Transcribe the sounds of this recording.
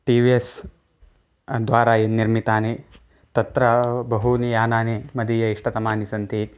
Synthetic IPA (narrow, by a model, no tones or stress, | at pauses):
ʈiːʋies | d̪ʋaːɾajenːiɾmit̪aːne | t̪ɐt̪ɾɐbɐɦunijaːnaːnemɐd̪iːjɐiʂʈɐt̪ɐmaːnisɐnt̪i